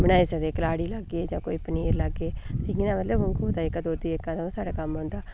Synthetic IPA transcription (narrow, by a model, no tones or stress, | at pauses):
bənaːiːsəd̪eːkəlaːɽiːləɡːeːd͡ʒãːkoːiːpəniːɾləɡːeːt̪eɡinaːmət̪ləbʊ̃ŋkʰoːd̪aːɪkːad̪oːd̪iːɪkːãːt̪aõːsaːɽaːkəmɦõːnd̪aː